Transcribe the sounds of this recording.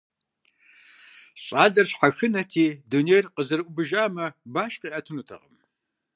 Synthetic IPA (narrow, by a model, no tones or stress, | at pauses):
ɕʼaːɮɐrɕħaxɨnɐtʰiːdunejrqəzɐɾʔʷʊbɨʒaːmɐbaːɕqiːʔɐtʰɨnutʰɐ̰ʁəm